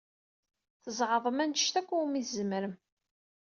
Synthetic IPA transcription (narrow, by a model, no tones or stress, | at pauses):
θəzˤʁəðˤəmænəʃt̪ækʷːuumizəməɾəm